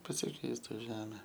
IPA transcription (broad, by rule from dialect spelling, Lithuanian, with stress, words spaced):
pɐsʲɪˈkʲɛɪstʊ ˈʒʲæːmʲɛ